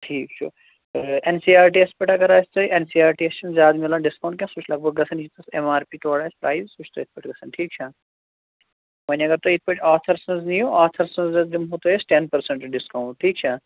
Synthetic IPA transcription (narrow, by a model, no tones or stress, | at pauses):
ʈʰiːkt͡ʃʰṵ | ensiːaːɾʈiːespɐʈɐɡɐɾaːsʲt̪oʔensiːaːɾʈiest͡ʃɐnzʲjaːd̪milãːɖɪskɐw̃ɳʈkjãːsut͡ʃʰlɐɡ̚bɐɡːɐsʰɐnit̪ɐsemaːɾpiːt̪oːɽaːspɾaːizsut͡ʃʰt̪oit̪̚ʰpɐʈʰɡɐsɐnʈʰiːk̚t͡ʃʰaː | mɐnɐɡɐɾt̪oit̪̚ʰpɐʈʰaːt̪ʰɐɾsɐnznĩjoːʔaːt̪ʰɐɾsɐ̃nzɐd̪imɦoːt̪oːesʈenpɐɾseɳʈɖɪskɐːwɳɖ̚ʈʰiːkt͡ʃʰaː